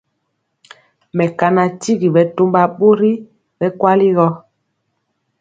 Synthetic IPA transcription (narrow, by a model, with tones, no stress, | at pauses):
mɛ˨ka˨na˨ti˦ɣi˨bɛ˨to˦mba˨ɓo˦ɾi˦ | ɓɛ˦kwa˦li˦ɣɔ˦